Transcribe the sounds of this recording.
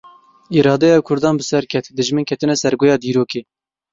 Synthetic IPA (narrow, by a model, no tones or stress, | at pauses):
iːɾɑːd̪ɛjɑwkʰʊɾd̪ɑːnbɨsɛɾkʰɛt̪d̪ɨʒmɨnkʰɛt̪ɨnɛsɛɾɡojɑːd̪iːɾoːkeː